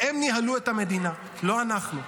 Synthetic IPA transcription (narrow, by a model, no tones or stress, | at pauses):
emniɦalue̞t̪ame̞d̪ina | lo̞anaχnu